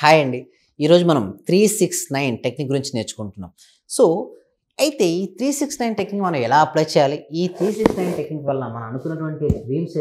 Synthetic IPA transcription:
aːjɐɳɖi | iːɾo̞ːd͡ʒumɐnɐmt̪ɾiːsiksnɐjnʈekniːkɡuɾiɲt͡ʃine̞ːt͡ʃu̥kuɳʈunːa̰ːm | soː | ɐjit̪e̞ːiːt̪ʰɾiːsiksnɐjnʈeknikmɐnɐmɛlaːɐplaːjt͡ʃɛːjaːliiːt̪ʰɾiːsiksnɐjnʈeknikʋɐlːɐmɐnɐmɐnukunːɐʈuʋɐɳʈiɾiːms

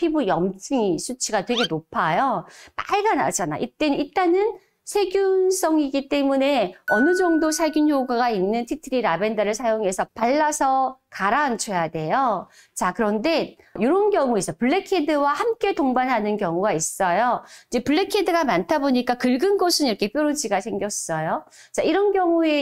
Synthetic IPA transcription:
pʰibujʌmt͡ɕʰɯŋisʰut͡ɕʰiɡatwe̞ɡe̞nopʰajomaiɡana̰d͡ʑana̰ʔit͈e̞nɯnit͈anɯn | sʰe̞ɡjuns͈ʰʌŋiɡit͈e̞mune̞ʌnɯd͡ʑʌŋdosʰaɭɡunçoɡaɡainːɯntʰitʰɯɾiɾabe̞ndʌɾɯɭsʰajoŋɦe̞sʰʌpaɭːasʰʌkaɾant͡ɕʰojade̞jo | t͡ɕakɯɾʌnde̞joɾonɡjʌŋues͈ʰʌpɯɭːe̞kʰedɯwahamk͈e̞toŋbanɦanɯnkjʌŋuɡais͈ʌjoid͡ʑe̞pɯɭːe̞kʰedɯɡamantʰaboɲik͈akɯɭɡɯnɡosʰɯniɾʌkʰe̞p͈joɾod͡ʑiɡasʰe̞ŋɡjʌs͈ʌjo | t͡ɕaiɾʌnɡjʌŋue̞

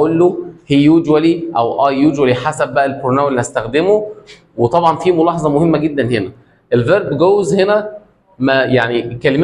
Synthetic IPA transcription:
ʔolːohijːud͡ʒwæliʔæwʔɑjːud͡ʒwæliħasæb̚ːæʔælkoɾonæwelːihæst̪æxd̪emo | wet̪ˤɑbʕɑnfiːmolɑːħɑzˤɑmohemːæɡed̪ːænhenæ | ʔelveɾbɡoːwːzhenæ | mæjaʕnikːælem

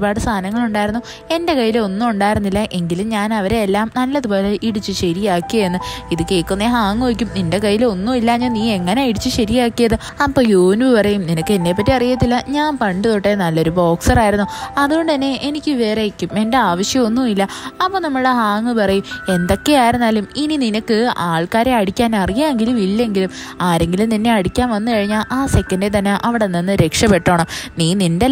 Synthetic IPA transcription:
baːɽɨst̪ʰaːnɐŋːɐɭuɳɖaːjɾunːu | e̞nde̞kɐjːileo̞nːumuɳɖaːjiɾunːilːɐʔe̞ŋɡilumɲaːnɐʋɐɾe̞ːlːaːmnɐlːɐðubo̞ːleʔiɽit͡ɕːɨɕɐɾijaːkːiɐjenːɨiðukeːkːunːeɦaːŋːɨʋɐk̬ʲːuminde̞kɐjːilo̞nːuilːɐɲɐniːe̞ŋːɐneiɽit͡ɕːɨɕɐɾijaːkːijɐðɨ | ɐpːo̞ːjuːnbɨpɐrɐjumninɐkːɨe̞nːe̞ːpːɐtːiɐrijɐt̪ːilːɐɲaːnpɐɳɖɨðoʈːenɐlːo̞ɾubo̞ːksɐraːjiɾunːuɐðuɣo̞ɳɖɨt̪ɐnːe̞ʔenikʲːɨʋe̞ːɾe̞kːwipmendeaːʋɐɕjɐmo̞nːuilːɐɐpːo̞ːnɐmːɐɻɨɽeɦaːŋːɨpɐrɐjume̞nd̪o̞kːe̞aːjiɾunːaːluminininɐkːɨaːɭkaːɾeɐɽikʲːaːnɐrijaeŋɡilumilːe̞ŋɡilum | aːɾe̞ŋɡilumninːe̞ɐɽikʲːaːnʋɐnːɨkɐɻiɲːaːlʔaːse̞kːɐndet̪̬ɐnːeʔɐʋiɽenːenːɨɾe̞kʂɐpe̞ʈːoːɳomniːninde

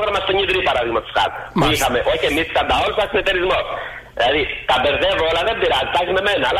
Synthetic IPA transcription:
ɣɾɐmɐst̪oɲiðɾipɐɾɐðiɣmɐt̪o̥skɐ̰puixɐme̞ʔo̞çiemiskɐnd̪ɐo̞lusɐsimet̪eɾizmo̞s | ðilɐðit̪ɐbe̞ɾðevo̞lɐðe̞mbiɾɐnt̪ɐçizme̞me̞nɐːlɐ

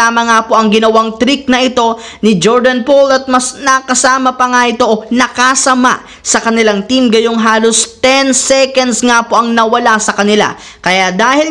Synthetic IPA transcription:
aːmɐŋapo̞ʔɐŋɡɪnɐwaŋt̪ɾik̚nɐʔɪt̪o̞ | nɪd͡ʒoɹd̪ɐnpolɐt̪̚mɐsnɐkɐsaːmɐpɐŋaʔɪt̪o̞ʔonɐkasɐma̰ | sɐkɐnɪlaŋt̪imɡɐjo̞ŋɦaːlo̞st̪ɛnsɛkɐnd̪sŋapo̞ʔɐŋnɐwɐlasɐkɐnɪla̰ | kɐjad̪aːhɪl

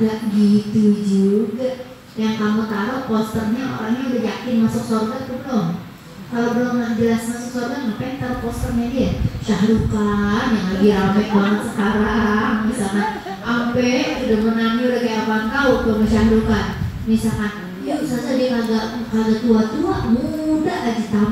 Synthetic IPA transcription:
ɡaʔɡit̪ud͡ʒuɡaʔ | jaŋkamut̪aɾopɔst̪ərɲao̰ɾa̰ŋɲaudad͡ʒakɪnmasʊk̚sorɡak̪udɔŋ | kalobəloŋaʔd͡ʒəlasmasʊk̚sorɡanŋapajt̪aɾopɔst̪ərɲadijaʃaɦɾukanjaŋlaɡiɾampɛʔbanaksəkaɾaaŋmisalna | ʔampɛʔudamənaŋɲiudakajapant̪aut̪umaʃaɦɾukan | misalkan | usasadikaɡakarɡat̪uat̪uamudalad͡ʒit̪a

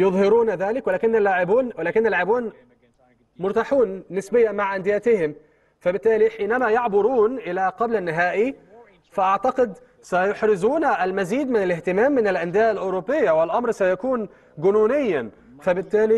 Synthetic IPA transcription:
jʊðˤhɪɾuːnðaːlɪkwɪlaːkɪnːalːaʕɪbuːnwɪlaːkɪnːalːaʕɪbuːn | mʊɾt̪aːħuːnːɪsbɪjːanmaʕʔand̪ɪjaːt̪ɪhɪm | fabɪt̪ːaːliħiːnamajɑʕbʊɾuːnʔɪlaqɑblanːɪɦaːʔi | faʔaʕt̪ɑqɪd̪ | sajʊħɾɪzuːnalmaziːd̪mɪnalɪht̪ɪmaːmːɪnɪlʔand̪ɪjaːʔalʔʊɾopːɪjːawɪlʔɑmɾsajakuːn | ɡʊnuːnɪjːa | fabɪt̪ːaːli

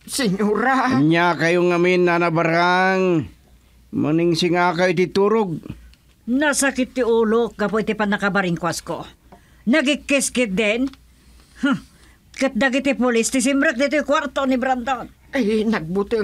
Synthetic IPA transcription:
sɪɲuɾaɲakajoŋaminːanabaɾaŋ | maniŋsɪŋakat̪it̪uːɾʊɡ̚ | nasakɪt̪̚ːɪuːlok̚ɡɐpoɪt̪ɪpanɐkabaɾɪŋkwasko | nɐɡɪkːɪskɪd̪ɛn | h | kɐt̪̚d̪aɡɪt̪ɪpʊlɪst̪ɪs̬ɪmbɾɛk̚d̪it̪ojkwaɾt̪onɪbɾand̪on | anaɡ̚bʊt̪ɪ

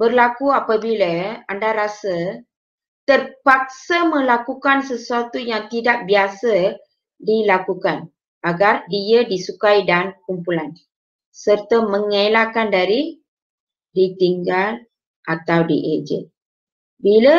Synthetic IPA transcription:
bərlakuapabiləandaɾasə | t̪ərpak̚səmə̃lakukansəsuat̪ujaŋt̪idak̚biasə | dilakukan | aɡardiədisukajdankumpulan | sərt̪əməŋalakandaɾi | dit̪iŋɡal | ʔat̪awdḭʔed͡ʒə̰ | bilə

